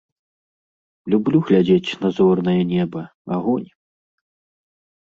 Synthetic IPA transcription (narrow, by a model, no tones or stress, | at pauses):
lʲublʲuɣlʲad͡zʲet͡sʲnazɔrn̪ɐjɛnʲɛbɐ | aɣɔnʲ